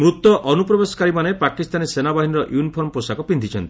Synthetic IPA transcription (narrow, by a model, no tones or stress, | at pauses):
mɾut̪ɔʔɔnupɾɔbesɔ̥kaɾimanepakist̪anesenabaɦiniɾɔʔjunipʰɔɾmɔposakɔpind̪ʱit͡ʃʰɔnt̪ii̥